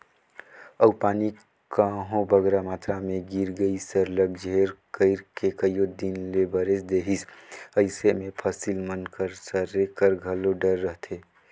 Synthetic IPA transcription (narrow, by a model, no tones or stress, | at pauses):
əwpaːni | kaɦõbəɡɾamaːt̪ɾamẽɡiɾɡəisəɾləɡd͡ʒʱeɾkəɪɾkekəjjod̪inlebəɾesd̪eɦisəɪsemẽpʰəsilmənkəɾsəɾekəɾɡʱəloɖəɾːəɦt̪ʰe